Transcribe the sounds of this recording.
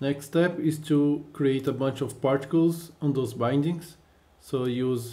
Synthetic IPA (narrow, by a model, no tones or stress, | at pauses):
nɛkstɛpɪztʰukɹieɪtəbʌ̃nt͡ʃɔvpaɹtɪ̥kəlˠzɔ̃nd̪ozbãj̃ndɪ̃ŋz̥ | sojuz